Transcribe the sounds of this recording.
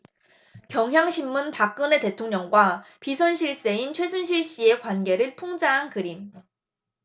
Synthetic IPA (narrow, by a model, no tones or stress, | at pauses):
kjʌŋjaŋɕʰimːunpak͈̚ɯne̞te̞tʰoŋɲʌŋɡwapisʰʌnɕʰiɭs͈e̞int͡ɕʰwe̞sʰunɕ̬ʰiɭɕ͈ie̞kwanɡe̞ɾɯɭpʰuŋd͡ʑaɦankɯɾim